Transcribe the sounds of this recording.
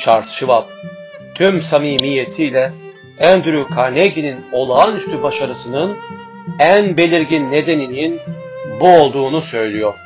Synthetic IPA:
ʃaɾt̪ʃʰɯvap̚ | t̪ʰymsamiːmijːe̞t̪ʰiːlʲɛ | ænd̪yɾykʰaɾneɟinino̞lˠaːnyst̪ʰybaʃaɾɯsɯnɯn | ænbe̞lʲiɾɟinːe̞d̪e̞nininbuo̞lˠd̪uːnusø̞jlʲijo̞ɾ̥

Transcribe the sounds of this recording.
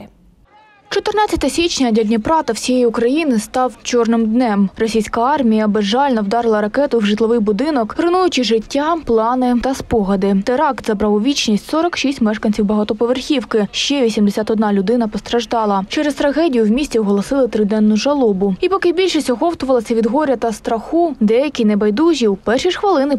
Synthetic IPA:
t͡ʃɔt̪ɪrnɑt͡sʲːɐt̪ɐsʲit͡ʃnʲɐd̪ʲɐdʲnʲɐpɾɑt̪ɐwsʲijɛjiʊkɾɐjinɪst̪ɑwt͡ʃɔrnɪmd̪nɛmrɔsʲijsʲkɐɑrmʲijɐbɪʒɑlʲnɔwd̪ɑɾɪlˠɐɾɐkɛt̪ʊwʒɨt̪lˠɔʋɪjbʊd̪ɪnɔkɾɪnujʊt͡ʃɪʒɪtʲːaplˠɑnɪt̪ɐspɔɦɐd̪ɪt̪eɾɑkt̪zɐbɾɑwʊʋʲit͡ʃnʲisʲtʲsɔɾɔkʃisʲtʲmɛʃkɐnʲt͡sʲiwbɐɦɑt̪ɔpɔʋerxʲiwkɪʃt͡ʃɛʋʲisʲimd̪esʲat̪ɔd̪nɑlʲʊd̪ɪnɐpɔst̪ɾɐʒd̪ɑlˠɐt͡ʃɛɾɛzt̪ɾɐɦɛdʲijʊwmʲisʲt͡sʲiɔɦɔlˠɔsɪlˠɪt̪ɾɪd̪ɛnːʊʒɐlˠɔbʊipɔkɪbʲilʲʃɪsʲɔɦɔwt̪ʊʋɐlˠɐsʲɐʋʲid̪ɦɔɾʲɐt̪ɐst̪ɾɐxud̪ɛjɐkʲijnɛbɐjd̪uzʲiwpɛrʃiʂxʋɐlˠɪnɪ

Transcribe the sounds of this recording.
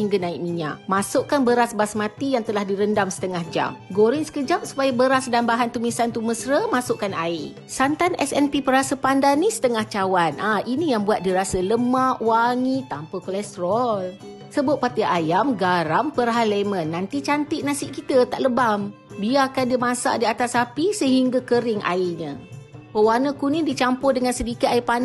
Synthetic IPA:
iŋɡənaiʔmiɲa̰ʔmasʊʔkanbəɾasbasmat̪ijaŋt̪əlahdiɾəndamsə̥t̪əŋahd͡ʒa̰mɡoɾinsə̥kəd͡ʒap̚su̥pajabəɾasdanbaɦant̪umisant̪uməsɾəmasʊʔkanaɪ | sant̪anɛsɛnpipəɾasəpandanːisə̥t̪əŋaht͡ʃawanʔaʔinijaŋbuat̪̚diɾasələmaʔwaŋit̪ampəkolɛst̪ɾɔl | səbʊpːat̪iajamɡaɾampəɾɦalemənːant̪it͡ʃant̪ɪʔnasɪʔkit̪ət̪aʔləbam | biakandimasa̰ʔdiat̪asapisəɦiŋɡakəɾɪŋʔa̰iɲə̃wəwanəkunidit͡ʃampʊdəŋansədikit̪aipan

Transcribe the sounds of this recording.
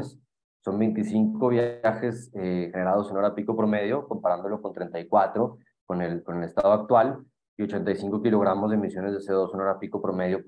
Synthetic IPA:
s | so̞mbe̞jnt̪̬isiŋko̞β̞jaaxe̞sexe̞ne̞ɾað̞o̞seno̞ɾapiko̞pɾo̞me̞ðjo̞ko̞mpaɾand̪o̞lo̞ko̞nt̪ɾe̞nt̪ajkwat̪ɾo̞ | konelko̞ne̞lest̪að̞oak̚t̪wal | io̞t͡ʃe̞nt̪ajsiŋko̞kilo̞ɣ̞ɾamo̞zðemisjo̞ne̞zðeseðoseno̞ɾapikopɾo̞me̞ðjo

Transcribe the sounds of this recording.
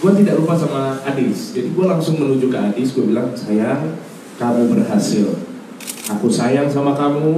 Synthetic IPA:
ɡ̥uat̪idaʔɾupasamaːdɪsd͡ʒadiɡualaŋsʊŋmənud͡ʒʊkaadɪsɡuabilaŋsajaŋ | kamubərɦasɪl | akusajaŋs̬amakamu

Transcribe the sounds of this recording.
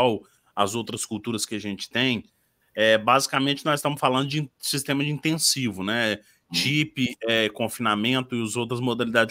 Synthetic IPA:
w | ɐzowt̪ɾɐskuwt̪uɾɐskɪɐʒẽnt͡ʃɪ̥t̪ẽj̃ | ɛbazikamẽnt͡ʃɪnɔzɪst̪ɐ̃mʊsfalɐ̃nd̪ʊd͡ʒɪ̃sist̪ẽmɐd͡ʒɪĩnt̪ẽsivʊnɛ | t͡ʃipɪɛkõfinamẽnt̪ʊɪʊzowt̪ɾɐzmod̪alid̪ad͡ʒɪ

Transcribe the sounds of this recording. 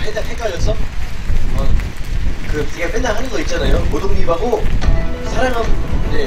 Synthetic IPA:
ɸʰedapʰek͈aɭːʌs͈ʰʌ | ʌ | kɯpuɡepʰendakɦanɯnɡʌit̚t͡ɕ͈anajomodoŋɡibaɡo | sʰaɾamɦane

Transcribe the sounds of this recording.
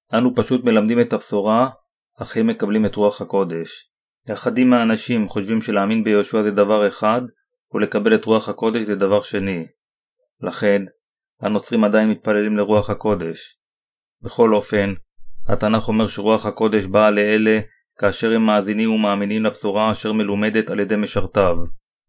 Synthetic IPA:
ʔanupaʃut̪me̞lamd̪ime̞t̪hapsuʁa | aχhemːe̞kablime̞t̪ʁuaχhako̞d̪e̞ʃ | leaχad̪imaːnaʃimχo̞ʃvimʃe̞leaːminbejoʃuazed̪avaʁe̞χad̪ | ule̞kabe̞le̞t̪ʁuaχhako̞d̪e̞ʃzed̪avaʁʃe̞ni | laχe̞n | hano̞t͡sʁimad̪ajinmit̪̚pale̞limle̞ʁuaχhako̞de̞ʃ | be̞χo̞lo̞fe̞nha̰tanaχo̞me̞ʁʃeʁuaχhako̞d̪e̞ʃbaleele̞ | kaːʃe̞ʁ̞hemːaːzinimumaːminimlapsuʁaːʃe̞ʁme̞lume̞d̪e̞talje̞d̪e̞jme̞ʃaʁt̪av

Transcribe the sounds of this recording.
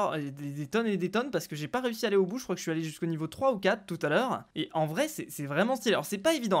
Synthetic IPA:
d̪ed̪et̪ɔned̪et̪ɔnpaʁsə̥kəʒepaʁeysialeobuʒəkχwakə̥əʃɥialeʒyskonivot̪χwaukat̪χt̪ːut̪alœːʁeʔɑ̃vʁɛsɛsɛvʁɛmɑ̃st̪ilɔ̰ʁsɛpaevid̪ɑ̃

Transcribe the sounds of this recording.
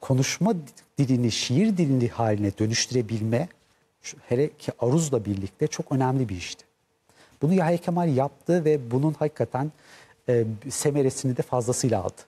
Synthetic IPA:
kʰo̞nuʃmad̪̥ilʲiniʃijiɾd̪ilʲinihaːlʲinɛd̪ø̞nyʃt̪ʰyɾe̞bilʲmɛ | t͡ʃheɾɛcʰiʔaɾuzlˠabiɾlʲic̚t̪ʰɛt͡ʃʰo̞kø̞næmlʲibiiʃt̪ʰɪ̥ | b̥unujajecʰamalʲjap̚t̪ʰɯvɛbununhakʰːat̪ʰænː | se̞me̞ɾe̞sinid̪ɛfazlˠasɯjlˠa̰ːlˠd̪ɯ̥

